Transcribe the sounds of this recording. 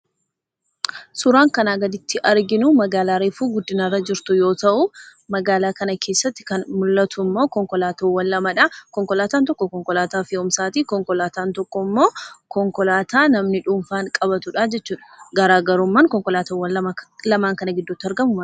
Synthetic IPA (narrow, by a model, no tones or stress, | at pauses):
sʊɾaːŋkɐnaːɡɐd̪ɪt̪ʰːɪʔɐɾɡɪnʊmɐɡaːlaːɾeːfuːɡʊd̪ːɪnɐrːɐd͡ʒɪɾt̪ʊjo̞ːt̪ɐʔʊmɐɡaːlaːkɐnɐkʰe̞ːsːɐt̪ːɪ̥kɐnmʊlːɐt̪ʰʊmːo̞ːkɔŋkɔlaːt̪owɐnːɐmɐᶑɐkɔŋkɔlaːt̪aːnt̪ɔkːɔkɔŋkɔlaːt̪aːfɪʊmsaːt̪iːkɔŋkɔlaːt̪aːnt̪ɔkːɔmːo̞ːkɔŋkɔlaːt̪ʰaːnɐmnɪᶑʊɱfaːŋkʼɐbɐt̪ʊᶑaːd͡ʒɛt͡ʃːuːᶑɐ̥ɡɐɾaːɡɐɾʊmːaːnkɔŋkɔlaːt̪ɐwɐɐlɐmaːŋkɐnɐɡɪd̪ːʊt̪ːɪɐɾɡɐmʊmɐ